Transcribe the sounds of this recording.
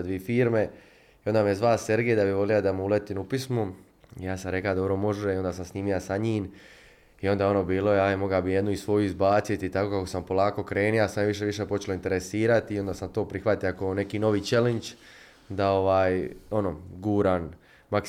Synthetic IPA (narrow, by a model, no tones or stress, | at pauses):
d̪ʋifiːɾme̞ | iond̪aːmijezʋalseɾɡejd̪abiʋo̞lijad̪amuulet̪inupismu | ijaːsamɾe̞klad̪obɾo̞mo̞ʒeio̞nd̪aːsamsniːmijasaɲiːn | io̞nd̪ao̞no̞ːbiːlo̞jeaemo̞ɡabijed̪nuisʋo̞juizbaːt̪sit̪it̪akokakosampo̞lˠaːko̞kɾe̞ːnijasamjaʋiʃ̬e̞ʋiʃeːpo̞t͡ʃeloint̪eɾesiːɾat̪iːond̪aːsamt̪o̞ːpɾixʋat̪eakone̞kiːno̞ʋiːt͡ʃelent͡ʃ | d̪ao̞ʋaːjo̞noɡuːɾan | mak